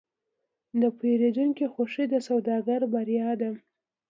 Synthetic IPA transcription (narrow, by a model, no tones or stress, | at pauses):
d̪əpeɾed̪uŋkixoʂid̪əsawd̪ɑɡaɾbaɾjɑd̪a